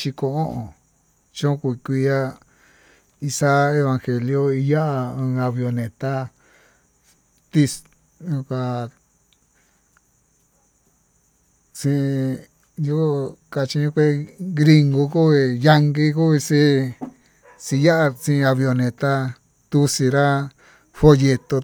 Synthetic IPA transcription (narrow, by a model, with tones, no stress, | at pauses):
t͡ʃi˧kõ˧ʔõ˦ʔõ˨ | t͡ʃõ˦ku˧kʷi˧ja˦ | i˧sa˦e˧βã˧ŋxe˨ljo˦i˧ja˦ʔa˧ɨ̃ː˧a˧βjo˧nẽ˨t̪a˦ | t̪i˧s | ɲũ˧ka˧ | sĩ˧ | ju˦˧ka˧t͡ʃi˧ɲũ˦kʷe˦ɡɾi˧ŋɡu˧ku˦βi˧ja˧ŋɡi˦ku˦i˧si˦ | si˧ja˦ʔa˧sĩ˧a˧βjo˧nẽ˨t̪a˦ | t̪u˧si˧ɾa˦ | fo˧je˧t̪o˧